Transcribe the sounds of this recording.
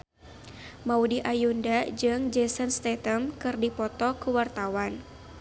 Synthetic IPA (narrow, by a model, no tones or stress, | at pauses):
maudiʔajundad͡ʒɨŋd͡ʒɛsənst̪ɛt̪əmkɨrdipɔt̪ɔkuwart̪awan